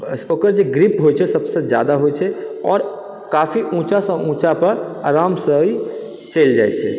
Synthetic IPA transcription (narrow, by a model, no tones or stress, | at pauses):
oːkəɾd͡ʒeɡɾipɦojt͡ʃʰɛsəbsed͡ʒja̰ːd̪aɦojt͡ʃʰɛɔːɾ | kaːfiʔũt͡ʃasə̃ʔũt͡ʃapəɾaɾaːmsəi | t͡ʃeld͡ʒa̰ɛt͡ʃʰɛ̰